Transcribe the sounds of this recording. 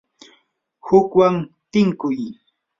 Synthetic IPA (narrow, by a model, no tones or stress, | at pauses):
hʊkwaŋt̪ɪŋkʊj